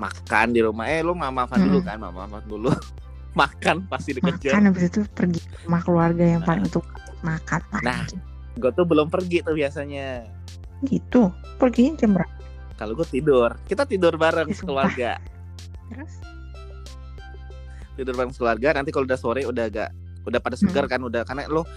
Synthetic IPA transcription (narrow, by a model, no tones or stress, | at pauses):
ma̰kandiɾuma̰hɛlʊmamafanndulukanma̰ma̰fandulʊ | makanpast̪idimkəd͡ʒaanabisat̪upərɡi | makəluarɡajaŋpalɪŋt̪u | makanpanah | ɡuat̪ʊbəlʊmpərɡit̪ʊhbiasaɲa | ɡit̪u | pərɡiɲt͡ʃambəɾapa | kaloɡuat̪idʊrkit̪at̪idʊrbaɾəŋsə̥kəluaraɡa̰ | t̪əɾʊs | t̪idʊrbaɾəŋsə̥kəluarɡanant̪̬ikaloudahsoɾɛudaɡa̰ʔ | udahpadasəɡərkanudahkarna̰lʊh